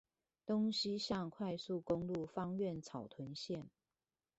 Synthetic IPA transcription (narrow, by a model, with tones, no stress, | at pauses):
t̪o˥ŋɕi˥ɕjɑ˥˧ŋkʰwa˥˧ɪsu˥˨kʊ˦ŋlu˥˨fɑ˥ŋɥɛ˥˨nt͡sʰɑ˨˩ʊt̪ʰwə˨˦nɕjɛ˥˨n